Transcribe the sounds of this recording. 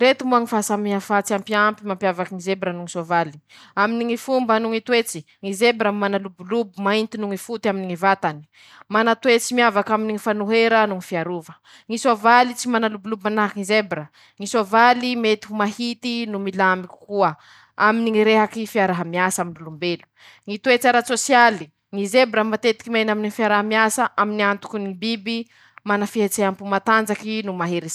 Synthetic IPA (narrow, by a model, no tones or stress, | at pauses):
ɾet̪imuaŋifasamiɦafat͡siampiampimampjavakiŋizebɾənuŋisovali̥ | aminiŋifumbanuŋit̪uwet͡si | ŋizebɾammanalubulubumaint̪inuŋifut̪aminiŋivat̪ani̥ | manat̪wet͡simiavakaminiŋifanuɦeɾənuŋifiaɾuvə | ŋisovalit͡simanalubulubmanaɦakiŋizebɾə | ŋisovalimet̪iɦumaɦit̪inumilamikʲi̥kuə | aminiŋiɾeɦakifiaɾaɦamiasaaminulumbelu̥ | ŋit̪uet͡saɾat͡sosjali | ŋizebɾəmat̪et̪i̥kimajnaminifiaɾaɦamiasaʔaminiant̪u̥kunibibi | manafiɦet͡seampumat̪and͡zakinumaɦeɾi